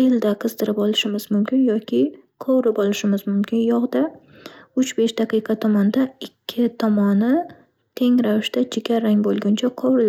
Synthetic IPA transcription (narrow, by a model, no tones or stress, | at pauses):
ɪld̪aqʰɨz̥d̪ɪɾɪpɒlɪʃɪmɪzmʊmkʲɪnjɒkʲʰɪqʰowɾɪpɒlˠɪʃɪmɪzmʊmkʲʰɪnjɒʁd̪a | ʊt͡ʃbe̞ʃd̪aqʰɨjqʰɑt̪ʰɒmɒnd̪aɪkʲʰːɪt̪ʰɒmɒnɪ | t̪ʰe̞ŋɾavɪʃt̪at͡ʃʰɪɡʲaɾaŋbolˠɡʲʊnt͡ʃʰaqʰɒwɾɪl